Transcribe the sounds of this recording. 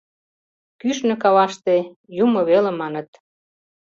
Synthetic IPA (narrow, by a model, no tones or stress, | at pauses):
kyʃnø̆kɑβɑʃt̪e | jumŏβelĕmɑnə̆t̪